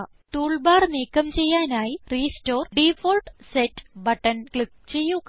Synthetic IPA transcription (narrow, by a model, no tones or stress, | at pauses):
ʈuːɭbaːrniːkːɐmt͡ɕe̞jːaːnaːjiriːsto̞ːrɖiːfoːɭʈsetːbɐʈːɐnkɭip̚t͡ɕe̞jːuk